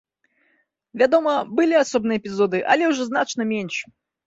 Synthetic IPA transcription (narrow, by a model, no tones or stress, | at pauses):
vʲad̪ɔmɐbɨlʲiasɔb̚nɨjəːpʲizɔd̪ɨʔɐ̰lʲɛwʐɔznat͡ʂnɐmʲenʲʂ